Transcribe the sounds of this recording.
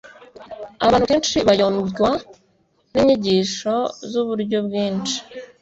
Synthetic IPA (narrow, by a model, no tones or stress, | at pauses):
aβaːnukeːnt͡ʃiβajonuɡwa | niɲiɟiːʃo̞zuβuɾɟo̞bɡiːnt͡ʃi̥